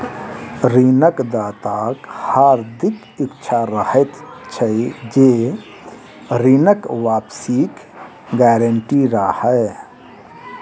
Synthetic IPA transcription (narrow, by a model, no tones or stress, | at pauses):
ɾiːnəkd̪aːt̪aːkhaːɾd̪ɪk | ɪkːt͡ʃʰaɾəhet̪t͡ʃʰəd͡ʒeː | ɾiːnəkʋaːpsiːk | ɡɛːɾəɳʈiɾaːhɛː